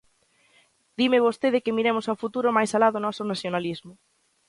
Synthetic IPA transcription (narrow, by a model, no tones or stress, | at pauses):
d̪̥imɪβost̪eð̞ɪkɪmiɾemʊsawfut̪uɾʊmajsalaðonɔsʊnaθjonalizmʊ